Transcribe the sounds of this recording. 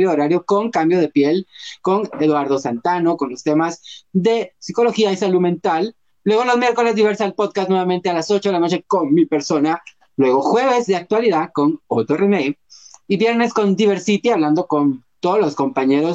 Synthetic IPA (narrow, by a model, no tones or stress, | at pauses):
joðoɾaɾjoko̞ŋkambjo̞ð̞e̞pje̞lko̞ŋeðwaɾðo̞sant̪ano̞ko̞nlo̞st̪e̞mazðe̞siko̞lo̞xiaisaluðmẽ̞nt̪al | lwe̞ɣ̞o̞lo̞zmje̞ɾko̞le̞zðiβe̞ɾsaelpo̞ðkasnwe̞βament̪e̞alaso̞t͡ʃoðelano̞t͡ʃe̞ko̞nmipe̞ɾso̞na | lwe̞ɣo̞xwe̞β̞e̞zðe̞ak̚t̪waliðako̞not̪oremejiβje̞ɾne̞sko̞nd̪iβe̞ɾsit̪iaβland̪o̞ko̞nt̪oðolosko̞mpaɲeɾo̞s